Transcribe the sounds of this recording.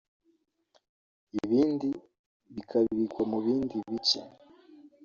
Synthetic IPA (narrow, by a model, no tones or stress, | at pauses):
iβiːndi | βikʰaβiβikwamuβiːndiβica̰